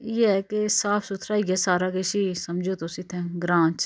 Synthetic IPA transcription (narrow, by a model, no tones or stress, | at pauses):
jeɦɛkesaːpʰsʊt̪ʰɾaːiɡɛːsaːɾaːkeʃiːsɐmd͡ʒoːt̪oːsɪt̪ʰɛ̃ːɡɾãːt͡ʃ